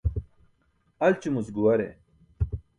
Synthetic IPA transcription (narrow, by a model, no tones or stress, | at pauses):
ɐlt͡ɕumusɡuwɐɾḛ